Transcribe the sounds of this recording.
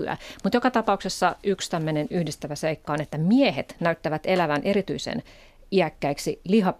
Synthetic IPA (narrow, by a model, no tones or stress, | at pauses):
yæ̰mut̪jokɑt̪ɑpɑuksesːɑykst̪æmːønenyhdist̪æʋæseikːɑonet̪ːæmiehḛt̪næyt̪ːæʋæt̪elæʋænʔeɾit̪yisḛn | iækːæiksiliɦɑ